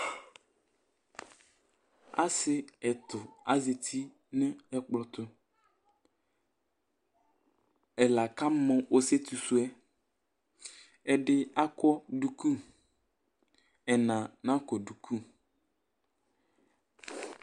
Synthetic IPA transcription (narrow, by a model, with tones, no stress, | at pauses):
a̰˦sɪ˦ɛ˨t̪ʊ˨a̰˨ze˨t̪ʰi˦ | nɪ̃˦ɛ˨k͡plɔ˨t̪ʊ˦ | ɛ˨la˨ka˦mɔ̃˦o˦se˦t̪u˨su˦ɛ˦ | ɛ˨ɖɪ˦a˦kɔ˦du˨ku˦ | ɛ˨nã˨nã˦kɔ˨du˨kʰu˦